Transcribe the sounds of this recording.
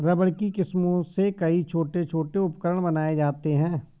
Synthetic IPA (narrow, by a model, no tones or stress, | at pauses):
ɾɐbəɭkikɪsmõsekɐit͡ʃʰoːʈet͡ʃʰoːʈeʊpkəɾəɽ̃bɐnaːed͡ʒaːt̪eɦɛ̃ː